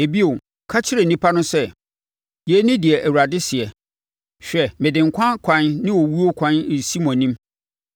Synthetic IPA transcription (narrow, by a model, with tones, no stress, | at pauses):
e˨bi˦o˨ | kʰa˦t͡ɕʰɪ˦ɾe˨nĩ˦pʰa˦nʊ̃˦sɛ˦ | jɛ˨˦nɪ̃˦dɪ˨ɛ˨ʔæ˨wu˨ɾa˨dɪ˦sɪ˨ɛ˨ | ɕᶣɛ˨mɪ̃˨dɪ̃˨ŋkʷʰã˦kʷʰã˨nnɪ̃˦wɔ˨wu˦o˦kʰã˦n˨si˦mɔ̃˨nĩ˦m